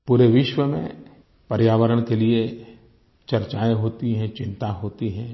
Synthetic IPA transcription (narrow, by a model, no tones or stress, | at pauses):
puːɾeʋɪʃwəmḛ̃ | pɐɾjaːʋəɾəɽ̃kelie | t͡ʃɐɾt͡ʃaːeɦoːt̪iɦɛ̃t͡ʃɪ̃nt̪aɦoːt̪iɦɛ̃